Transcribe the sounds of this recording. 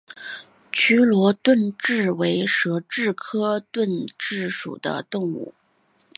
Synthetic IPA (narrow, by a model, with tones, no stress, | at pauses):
t͡ɕʰy˥lwɔ˧˥t̪wə˥˧nʈ͡ʂɻ̩˥˩we˧˥ɪʂɤ˧˥ʈ͡ʂɻ̩˥˩kʰɤ˥t̪wə˥˧nʈ͡ʂɻ̩˥˩ʂṵ˨˩d̪ə̰˦t̪ʊ˥˧ŋṵ˥˩